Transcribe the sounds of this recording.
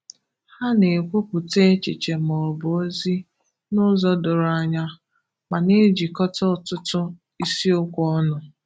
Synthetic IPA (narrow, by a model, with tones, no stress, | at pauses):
ha˦ne˨kʷo˦kʷu˨te˦t͡ʃḭ˨t͡ʃe˨m˨ɔ˨bo˦zi˦ | nʊ˦zɔ˦dʊ˨ɾa˦ɲa˦ | ma˨ne˦d͡ʒi˨kɔ˦tɔ˦˨tʊ˦tʊ˦ | i˦si˦ʊ˦kʷɔ˦nʊ˨